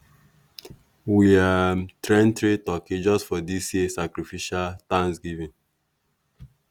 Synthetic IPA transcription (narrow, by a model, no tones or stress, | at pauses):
wiatɹɛ̃ntɾitɔkĩd͡ʒɔstfɔdisjisakɾifiʃaltãŋsɡivĩn